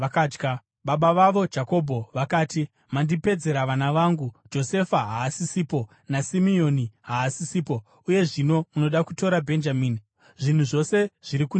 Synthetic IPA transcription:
akaːd͡ʒɡa | ɓaɓaʋaʋo̞d͡ʒako̞bʱo̞ʋakaːti | mandipe̞d͡ze̞ɾaʋanaʋaːŋɡud͡ʒo̞se̞faɦaːsisiːpo̞ | nasimio̞niɦaːsisiːpo̞ | uje̞ʐino̞muno̞ɗakuto̞ɾabʱe̞nd͡ʒamiːni | ʐin̤uʐo̞se̞ʐ̥iɾiku

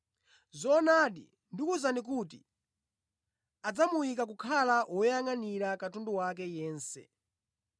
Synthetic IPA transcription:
zɔnaɗḭ | ndikuzanik̬utḭ | ad͡zamujikak̬ukʰalawɔjaŋaniɾakatunduwakɛjɛːnsɛ̰

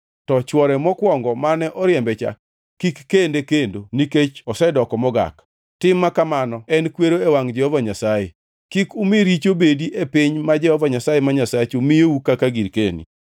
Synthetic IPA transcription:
tɔt͡ʃwɔɾɛmɔkwɔŋɡɔmanɛʔɔɾjɛmbɛt͡ʃa̰ | kikːendekendoniket͡ʃɔsɛdɔkɔmɔɡa̰k | tɪmːakamanɔɛnkweɾoewaŋd͡ʒɛhɔvaɲasajḛ | kikumeɾit͡ʃobediʔepɪɲmad͡ʒɛhɔvaɲasajemaɲasat͡ʃomɪjeukakaɡiɾkḛnḭ

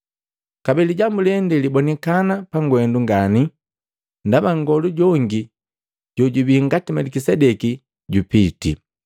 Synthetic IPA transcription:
kabɛliɟambulɛndɛlibɔnɛkanapaŋɡwɛnduŋɡani | ndabaŋɡɔluɟɔŋɡi | ɟ̥ɔɟubiiŋɡatimɛlikisɛdɛki | ɟupitḭ

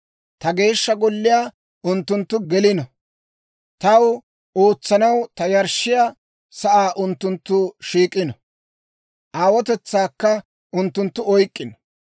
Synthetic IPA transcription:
t̪ɐɡe̞ːʃːɐɡɔlːɪjaː | ʔʊnt̪ːʊnt̪ːʊɡɛlɪnɔ | t̪ɐw | oːt͡sːɐnɐwt̪ɐjɐɾʃːɪja | sɐʔaːʔʊnt̪ːʊnt̪ːʊʃiːkʼːɪnɔ | ʔaːwɔt̪ɛt͡sːaːkːɐ | ʔʊnt̪ːʊnt̪ːʊɔjkʼːɪnɔ

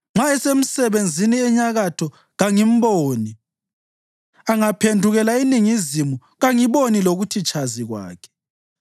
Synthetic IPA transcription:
ŋ͡ǁaɛsem̩sɛβend͡zʱiniɛɲaɣatʰɔ | ɣaŋim̩boːni | aŋapʰendʱuɣɛlainiŋizimu | ɣaŋiβoniloɣutʰit͡ʃʰʼaziɣwa̰ːkʰɛ̥

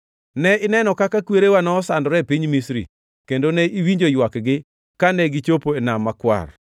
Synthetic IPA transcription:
nɛɪnɛnɔkakakweɾewanɔːsandɔɾɛpiɲmisɾḭ | kendoneʔiwiɲd͡ʒojwakɡɪ | kanɛɡit͡ʃopoenamːakwa̰r

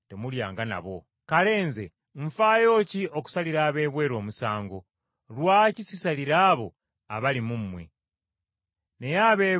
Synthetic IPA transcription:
te̞muljaːŋɡana̰βo̞̰ | kale̞ːnze̞̰ | ɱ̩faːjo̞ːcio̞ku̥saliɾaːβe̞ːβwe̞ːɾo̞ːmusaːŋɡo̞ | lwaːcisisaliɾaːβo̞ | aβalimumːwe̞̰ | ne̞jaβe

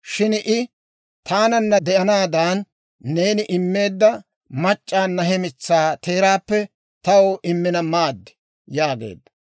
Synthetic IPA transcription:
ʃɪnʔɪ | t̪aːnɐnːɐd̪ɛʔɐnaːd̪aːnː | e̞ːnɪʔɪmːe̞ːd̪ːɐ | mɐt͡ʃʼːaːnːɐɦɛmɪt͡sːaːt̪ʰe̞ːɾaːpːɛ | t̪ɐwoʔɪmːɪnɐmaːd̪ːɪ̥ | jaːɡḛːd̪ːɐ̥

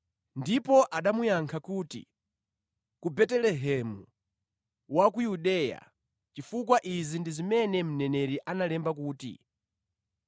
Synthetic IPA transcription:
ndipɔʔaɗamujaŋkʰakuːtḭ | kubɛtɛlɛɦɛmu | wakujuɗɛja̰ | t͡ʃifukwaʔizindizimɛnɛm̩nɛnɛɾiʔanalɛmbak̬uːtḭ

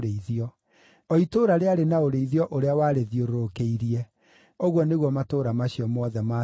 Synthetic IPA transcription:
ɾeiðiɔ | ɔitoːɾaɾeaɾenaoɾeiðiɔʔoɾeawaːɾeðioɾoɾokeiɾiɛ | oɣwɔneɣwɔmatoːɾamaɕiɔmɔðɛma

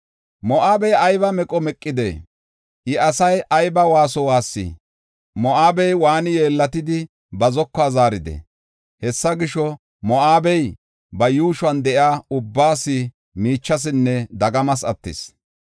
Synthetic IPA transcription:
mɔʔaːbɛjɐjbɐmɛkʼɔmɛkʼːɪd̪ḛː | ʔɪɐsɐjʔɐjbɐwaːsɔwaːsːɪ̰ | mɔʔaːbɛjwaːnɪje̞ːlːɐt̪ɪd̪ɪ | bɐzɔkːaːzaːɾɪd̪ɛ̰ | hɛsːɐɡɪʃɔ | mɔʔaːbɛj | bɐjuːʃʊɐnd̪ɛʔɪaːʊbːaːsɪ | miːt͡ʃːɐs̬ɪnːɛd̪ɐɡɐmɐsɐt̪ːɪ̰s

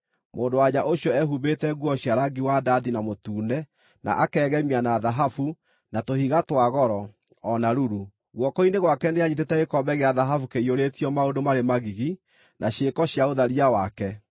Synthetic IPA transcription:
mo̰ːndowaɲaʔoɕjɔɛɦubetɛɣuɔɕjaɾaɡiwadaðinamotuːnɛ | na̰ʔakɛːɣɛmianaðaɦafu | natohiɣatwaɣɔɾɔ | ɔnaɾuɾu | ɣwɔkɔineɣwakɛneaɲit̬etɛɣekɔbɛɣeaðaɦafukeioɾetiɔmaodomaɾemaɣiɣi | nʔaɕekɔɕjaoðaɾiawakɛ

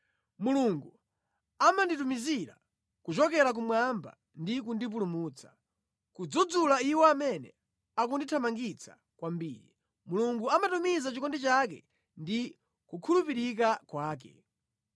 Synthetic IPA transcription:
muluŋɡu | amanditumiziɾa̰ | kut͡ʃɔkɛɾak̬umwamba̰ | ndikundip̬ulumuːt͡sʰḁ | kud͡zud͡zulaiwɔamɛnɛ̰ | akunditʰamaŋɡit͡sʰḁ̰ | kwambiːɾḭ | muluŋɡuamatumizat͡ʃikɔndɛt͡ʃakɛ | ndi | kukʰulupiɾikakwaːk̬ɛ̰

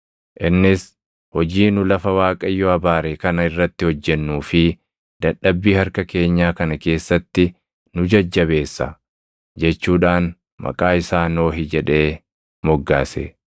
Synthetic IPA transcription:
ʔɪnːɪs | hɔd͡ʒiːnʊlɐfɐwaːkʼɐjːɔɐbaːɾeːkɐnɐɪrːɐt̪ːɪhɔd͡ʒːɛnːuːfɪ | d̪̥ɐɗɐbːiːhɐɾkɐke̞ːɲːaːkɐnɐke̞ːsːɐt̪ːɪ | nʊd͡ʒɐd͡ʒːɐβe̞ːsːɐ̰ | d͡ʒɛt͡ʃːuːᶑaːn | mɐ̰kʼaːɪsaːno̞ːɦɪd͡ʒɛᶑe̞ː | mɔɡːaːsḛ

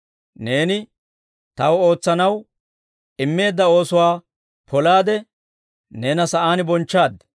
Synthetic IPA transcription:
ne̞ːnɪ | t̪ɐwo̞ːt͡sːɐnɐw | ɪmːe̞ːd̪ːɐo̞ːsʊwaː | pʰɔlaːd̪ɛ | neːnɐsɐʔaːnɪbɔnt͡ʃːaːd̪

